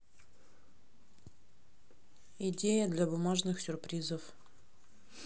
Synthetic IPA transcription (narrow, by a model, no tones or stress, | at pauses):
ɪdʲejəd̪lʲabʊmaʐnɨxsʲʊrpɾʲizəf